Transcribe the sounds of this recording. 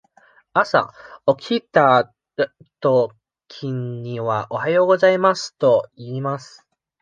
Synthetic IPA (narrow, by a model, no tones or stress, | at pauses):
asa̰o̞kʲit̪a | t̪o̞ | kʲʰĩɲ̟ːiβaʔo̞hajo̞ːɡo̞zaimasɨ̥t̪o̞iːmasɨ̥